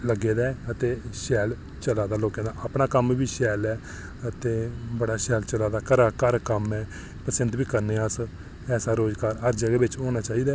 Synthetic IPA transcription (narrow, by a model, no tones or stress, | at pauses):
ləɡeːd̪aːət̪eːʃɛːl | t͡ʃəlaːd̪aːloːkẽːd̪aːəpnaːkəmbiːʃɛːlɛː | ət̪eːbəɽaːʃɛːlt͡ʃəlaːd̪aːkəɾaːkəɾkəmɛː | pəsənt̪biːkəɾneːəs | ɛːsaːɾoːd͡ʒkaːɾɦəɾd͡ʒəɡɛːbɪt͡ʃoːnaːt͡ʃaːiːd̪aː